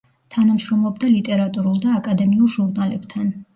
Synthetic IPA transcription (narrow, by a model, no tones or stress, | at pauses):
t̪ʰanamʃɾɔmlˠɔbd̪alit̪ʼɛɾat̪ʼuɾulˠd̪aːkʼad̪ɛmiulˠʒuɾnalɛpt̪ʰan